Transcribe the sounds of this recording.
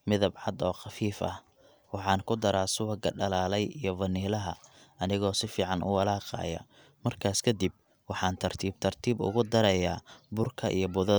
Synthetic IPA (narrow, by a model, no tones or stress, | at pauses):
mɪðɐbʕɑd̪ɔːqɑfiːfɐ̰h | wɑħɑːŋkʰʊd̪ɐɾaːsʊwɐɡɐɖɐlaːlɛjijɞvɐniːlɐɦɐ̰ɐnɪɣɔːsɪfiːʕɑnʔʊ̰wɐlaːqɑ̰ːjɐ̰ | mɐrkʰaːskʰɐd̪ib̚ | wɑħɑːnt̪ʰɐrt̪ʰiːb̚t̪ʰɐrt̪ʰiːbʊ̰ɣʊd̪ɐɾɐjaːbʊrkʰɐʔḭjɞbʊðɐ